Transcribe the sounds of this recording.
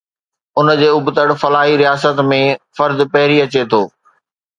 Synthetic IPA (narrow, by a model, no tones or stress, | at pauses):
ʊnd͡ʑeːʊbt̪əɽfɐlaːɦiɾijaːsət̪mẽfɐɾd̪pɐɦɪɾiɐt͡ɕet̪ʰoː